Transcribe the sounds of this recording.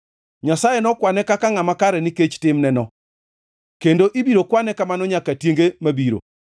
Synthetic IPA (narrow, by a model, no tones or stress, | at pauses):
ɲasajɛnɔkwanɛkakaŋamakaɾɛniket͡ʃtɪmnɛnɔ | kendoʔibiɾokwanɛkamanɔɲakatjeŋɡemabiɾo̰